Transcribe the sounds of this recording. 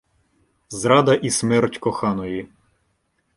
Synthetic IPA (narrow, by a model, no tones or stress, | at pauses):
zɾɑd̪ɐʔismɛrtʲkɔxɑnɔji